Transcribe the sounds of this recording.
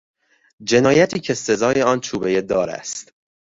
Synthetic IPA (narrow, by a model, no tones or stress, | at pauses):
d͡ʒe̞nɒːjæt̪ʰiːcʰese̞zɒːjeɒːnt͡ʃʰuːbe̞jed̪ɒːɾæ̰st̪